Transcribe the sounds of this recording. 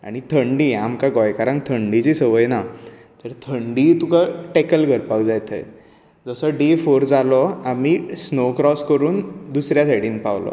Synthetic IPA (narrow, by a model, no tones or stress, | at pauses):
a̰ɽ̃it̪ʰəɳɖiːamkaɡɔjkaɾãŋkt̪ʰəɳɖit͡ɕisəʋəjna | t̪əɾt̪ʰəɳɖiːt̪ukaʈekəlɡʱəɾpawd͡zajt̪ʰə̰j | d͡zəsəɖefoɾd͡zalɔamisnokɾɔskəɾuːnd̪usɾjaseɽiːnpaʋlɔ̰